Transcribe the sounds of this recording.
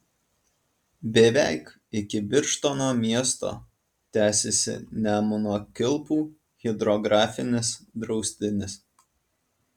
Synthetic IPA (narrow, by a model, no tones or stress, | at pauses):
bʲɛʋʲæˑɪk | ɪkʲɪbʲɪɾʃt̪onoːmʲiɛst̪o̰ː | t̪ʲæːsʲesʲɪ̰nʲæmʊnokʲɪlˠpuː | ɣʲɪd̪ɾɔɡɾɑːfʲɪnʲɪsd̪ɾɒʊsʲt̪ʲɪnʲɪs